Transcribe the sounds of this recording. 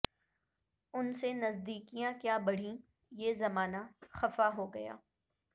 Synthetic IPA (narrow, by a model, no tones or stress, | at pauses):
ʊnsenɐzd̪iːkijãkjaːbɐɽ̤ĩ | jeːzɐmaːnaxɐfaɦoɡɐja̰ː